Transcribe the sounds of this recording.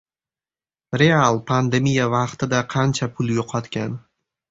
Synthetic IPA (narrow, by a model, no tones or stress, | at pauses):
ɾe̞alˠpʰand̪e̞mijavɑqt̪ʰɪd̪aqʰɑnt͡ʃʰapʰʊljoqʰɒt̪kʲʰan